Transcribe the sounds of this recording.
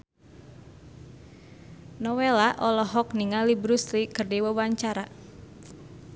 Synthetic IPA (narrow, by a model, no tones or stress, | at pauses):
nɔwelaʔɔlɔɦɔk̚niŋalibɾuslikɨrdiwəwaɲt͡ʃaɾa